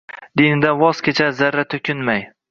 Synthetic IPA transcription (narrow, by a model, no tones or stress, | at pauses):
d̪inɪd̪anvɒskʲet͡ʃʰazaɾːat̪ʰʊkʲʰɪnmaj